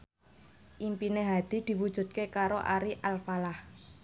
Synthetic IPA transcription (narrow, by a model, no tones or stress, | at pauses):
ʔimpineɦad̪̥i̤d̪̥i̤wud̥ʒ̥ṳt̪̚kekaɾoʔaɾiʔalfalah